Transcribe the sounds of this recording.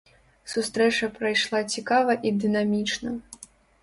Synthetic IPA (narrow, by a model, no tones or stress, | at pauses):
sust̪ɾɛt͡ʂɐpɾɐjʂlˠat͡sʲikavɐʔid̪ɨnamʲit͡ʂnɐ